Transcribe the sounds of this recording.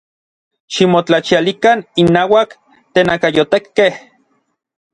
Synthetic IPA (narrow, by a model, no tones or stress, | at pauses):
ʃimot͡ɬat͡ʃialikaninːaːwak | t̪eːnakajot̪ekːeh